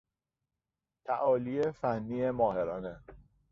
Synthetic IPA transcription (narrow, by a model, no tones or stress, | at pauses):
t̪ʰæʔɒːliefænːiːemɒːhe̞ɾɒːne